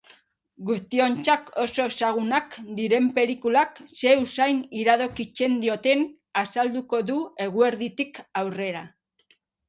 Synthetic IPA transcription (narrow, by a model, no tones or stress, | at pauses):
ɡust̪io̞nt͡ʃako̞so̞saɣ̞unakd̪iɾe̞mpe̞ɾikulakse̞usajniɾaðo̞kit͡se̞nd̪io̞t̪e̞n | asald̪uko̞ðue̞ɣ̞ue̞ɾðit̪ikawre̞ɾa